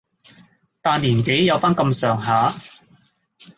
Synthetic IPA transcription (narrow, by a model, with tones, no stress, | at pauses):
t̪aː˧nliː˨˩nke˨˥jjɐ˨˧wfaː˥nkɐ˧msœː˨˩ŋɦaː˨˥